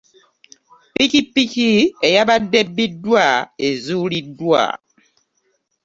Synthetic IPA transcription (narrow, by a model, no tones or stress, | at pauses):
pikipikiejabadɛbːidwaezulidwa̰